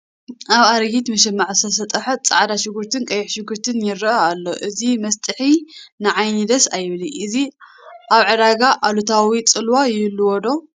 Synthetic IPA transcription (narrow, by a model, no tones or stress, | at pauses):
ʔaβaɾɡit̪mɐʃɛmːaʕɨsʰɐsɐt̪ʼɐħɐt͡sʼa̰ʕad̪aʃɪɡɨɾt̪ʰɨnkʼɐjɪħʃɪɡɨɾt̪ʰɨnjɪɾɐɐalːo̞ʔɨzimɐst̪ʼɨħinɨʕajnid̪ɐsajɪβliʔɨzi | ʔaβʕɨɾaɡaʔalut̪ʰawit͡sʼɨlwajɪlːuwɔd̪o̞